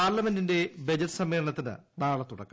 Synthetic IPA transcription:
aːɾlɐmendinde̞bed͡ʑɐtːɨ̥sɐmːe̞ːɻɐɳɐt̪ːinɨ̰naːɭɐt̪ːuɽɐ̰kːɐ

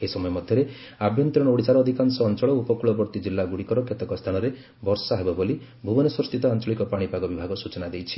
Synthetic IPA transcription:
esɔmɔjɔmɔd̪ʱjɔɾe | abʱjɔnt̪ɾɔɽ̃ɔoɽisaɾɔːd̪ʱikansɔːnt͡ʃɔɭɔupɔkuɭɔbɔɾt̪id͡ʒilːaɡuɽikɔɾɔkʰet̪ɔkɔst̪ʰanɔɾe | bɔɾsɔaɦebɔboli | bʱubɔnɔsɔst̪it̪ɔant͡ʃɔɭikɔpaɽ̃ipaɡɔbibʱaɡɔsut͡ʃɔnad̪ejt͡ʃʰi̥

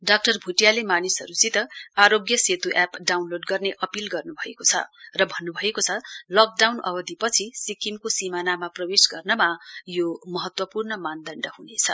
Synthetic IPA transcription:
ɖak̚ʈʌrbʱuʈjalemanisɦʌɾut͡sit̪ʌaɾoɡjʌset̪uʔapɖawnloɖɡʌrneʔʌpilɡʌrnubʱʌekot͡sʰʌ̰rʌbʱʌnːubʱʌekot͡sʰʌlʌk̚ɖawnʌ̰bʌd̪ipʌt͡sʰisikimkosimanamaprʌwesɡʌrnʌmajomʌɦʌt̪wʌpurnʌmand̪ʌɳɖʌɦunet͡sʰʌ̰

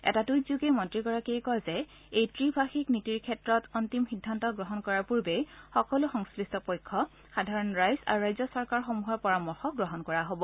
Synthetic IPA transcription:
ɛ̰tatujzuɡemɔntɹiɡɔɹakiɛkɔjzɛ | ejtɹibʱaxiknitiɹkʰɛtɹɔtɔntimxidʱːantɔɡɹɔɦɔnkɔɹaɹpuɹbexɔkɔlʊxɔŋskɹistɔpojkʰːɔ | xadʱaɹɔnɹajza̰ɹuɹajzɔsɔɹkaɹxomuɦɔpɔɹamɔɹxɔɡɹɔɦɔnkɔɹaɦobɔ

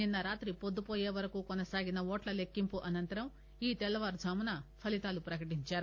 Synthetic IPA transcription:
ninːɐɾaːt̪ɾipod̪ːupoːjeːʋɐɾɐkuːkɔnɐsaːɡinɐɔːʈlɐlekːimpuʔɐnɐnt̪ɐɾɐm | iːt̪ɛlːɐʋaːɾd͡ʒʱaːmunɐpʰɐlit̪aːlupɾɐkɐʈiɲt͡ʃaːɾu

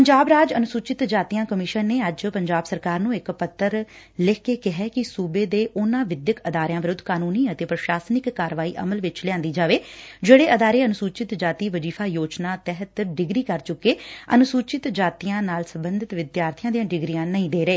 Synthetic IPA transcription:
pəɲd͡ʒaːbɾaːd͡ʒənʊsuːt͡ʃɪt̪d͡ʒaːt̪ijãːkəmɪʃənːeːəd͡ʒpəɲd͡ʒaːbsəɾkaːɾnũːɪkpət̪ʰːəɾ | lɪːkeːkɪɦɛːkɪsuːbeːd̪eːʔʊnãːʋɪd̪jəkəd̪aːɾɪjãːʋɪɾʊd̪ːkaːnuːnĩːət̪eːpɾəʃaːsnɪkːaːɾʋaːḭːʔə̰məlʋɪt͡ʃlɪãːnd̪iːd͡ʒaːʋeːd͡ʒeːɽeːʔəd̪aːɾeːənʊsuːt͡ʃɪt̪d͡ʒaːt̪iːʋəd͡ʒiːpʰaːjoːt͡ʃnaːt̪ɛɦət̪ːɾɖɪɡɾiːkəɾt͡ʃʊkːeːə̰nʊsuːt͡ʃɪt̪d͡ʒaːt̪iːjãːnaːlsəmbənd̪ɪt̪ʋɪd̪jaːɾt̪ʰɪjãːd̪ijãːɖɪɡɾijãːnəĩːd̪eːɾəeː

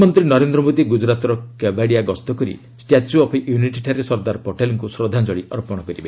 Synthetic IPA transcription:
mɔnt̪ɾinɔɾend̪ɾɔmod̪iɡud͡ʒɾat̪ɔɾɔkebaɽiaɡɔst̪ɔkɔɾḭ | sʈjat͡ʃuɔpʰʔjuniʈiʈʰaɾesɔɾd̪aɾɔpɔʈelɔŋkusɾɔd̪ʱand͡ʒɔɽiʔɔɾpɔɽ̃ɔkɔɾibe

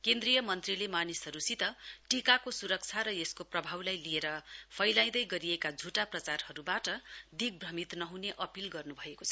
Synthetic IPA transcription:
kend̪rijʌmʌnt̪rilemanisɦʌɾusit̪ʌʈikakosuɾʌk̚t͡sʰaɾʌeskoprʌbʱawlajlieɾʌpʰʌjlaj̃d̪ʌjɡʌɾiekad͡zʱuʈaprʌt͡sarhʌɾubaʈʌd̪iɡ̚brʌmit̪nʌɦuneʔʌpilɡʌrnubʱʌekot͡sʰʌ

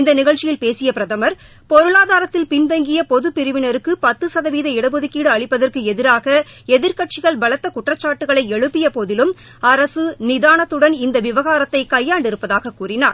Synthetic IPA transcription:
ɪnd̪ɐnɪɣɐɭt͡ʃːɪjɪlpeːsɪjɐpɪɾɐðɐmɐɾ | pɔɾɯɭaːðaːɾɐt̪ːɪlpɪnʋɐŋɡɪjɐpɔðɯpɪɾɯʋɪnɐɾɯkːɯpɐt̪ːɯsɐðɐʋiːðɐɪɽɐbɔðɯkːiːɽɯɐɭɪpːɐðɐrkɯɛðɪɾaːɣɐɛðɪɾkɐʈ̚t͡ʃɪɣɐɭbɐɭɐt̪ːɐkʊʈrɐt͡ʃːaːʈːɯɣɐɭɐɪɛɻɯpːɪjɐpoðɪlɯm | ɐɾɐsɯnɪðaːnɐt̪ːɯɽɐnɪnd̪ɐʋɪʋɐɣaːɾɐt̪ːɐɪkɐjːaːɳɖɪɾɯpːɐðaːɣɐkːuːrɪnaːɾ

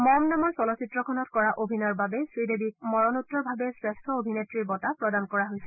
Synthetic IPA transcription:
mɔmnamɔɹsɔlɔsitɹɔkʰɔnɔtkɔɹaʔobʱinɔɹbabɛsɹidebik̚mɔɹɔnutːɔɹbʱabɛsɹestʰɔobʱinetɹiɹbɔtapɹɔdankɔɹaɦojsɛ

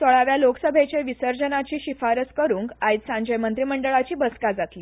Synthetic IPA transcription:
t̪oɭaʋjaloksəbʱet͡ɕeʋisəɾd͡ʑənat͡ɕiːɕifaɾəskəɾuːŋkait̪sãɲd͡ʑəjmənt̪ɾiːməɳɖəɭat͡ɕiːbəskad͡zat̪liː

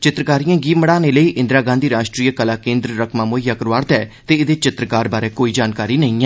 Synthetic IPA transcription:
t͡ʃɪt̪ɾəkaːɾijãːɡiːməɽaːneːləiːʔɪ̃nd̪ɾaːɡãːnd̪iːɾaːʃʈɾiːəkəlaːkẽːnd̪ɾɾəkʰmãːmoːjaːkəɾʋaːɾt̪ɛːt̪eːɪd̪eːt͡ʃɪt̪ɾəkaːɾbaːɾeːkoːiːd͡ʒaːnkaːɾiːnəĩːɛː

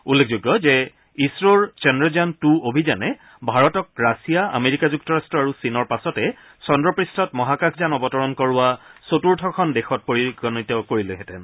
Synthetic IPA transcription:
ulːekʰzuɡɔzɛ | isɹoɹt͡ʃɛndɹɔzantuobʱizanɛ | bʱaɹɔtɔk̚ɹasijaa̰meɹikazuk̚tɔɹastɹɔaɹusinɔɹpasɔtɛ | sɔndɹɔpɹistʰɔtmɔɦakakʰzanɔbɔtɔɹɔnkɔɹʊwasotuɹtʰɔkʰɔndɛxɔt̚poɹiɡɔnitɔkoɹileɦɛtɛn

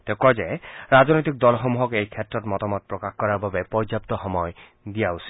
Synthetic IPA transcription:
tɛkɔzɛɹaznojt̬ik̚dɔlxɔmuɦɔkejkʰɛtɹɔtmɔtamɔt̚pɹɔkaxkɔɹaɹbabɛpɔɹd͡ʒjap̚tɔxɔmɔj | dijausi̥

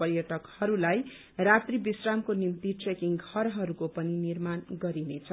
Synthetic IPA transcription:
ʌrjʌʈʌkhʌɾulaj | rat̪ribisramkonimt̪iʈrekiŋɡʱʌɾɦʌɾukopʌninirmanɡʌɾinet͡sʰʌ

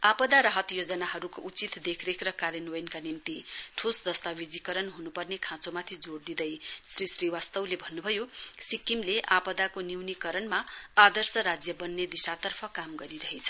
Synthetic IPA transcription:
apʌd̪aɾʌɦʌt̪jod͡zʌnaɦʌɾukoʔut͡sit̪d̪ekʰɾekʰɾʌkaɾjʌnojnkanimt̪iʈʰusd̪ʌst̪abid͡zikʌɾʌnɦunupʌrnekʰãt͡somat̪ʰid͡zoɽd̪id̪ʌjsrisriwast̪ʌwlebʱʌnːubʱʌjosikimleʔapʌd̪akoniwnikʌɾʌnmaad̪ʌrsʌɾad͡zjʌbʌnːed̪isat̪ʌrpʰʌkamɡʌɾiɾʌɦet͡sʰʌ̥

